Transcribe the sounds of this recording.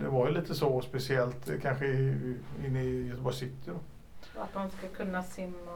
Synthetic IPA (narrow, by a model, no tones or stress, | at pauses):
d̪ɛvaɾjɵliːt̪əsɔspɛsɪɛlt̪kʰanɧə | ɪnːɪjœt̪əbɔɾsɪt̪ːɪd̪ɔ | a̰t̪manskakʰɵnːasɪmːa